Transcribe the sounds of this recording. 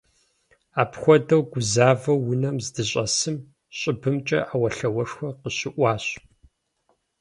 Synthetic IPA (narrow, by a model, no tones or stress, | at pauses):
aːpxʷɔdɐwɡʷʊzaːvɐwːʊnɐmzdɨɕʼɐsɨm | ɕʼɪbɨmt͡ʃʼɐ̰ʔaːwɐɬɐwɐʂxʷɐqəɕɪʔʷɑːɕ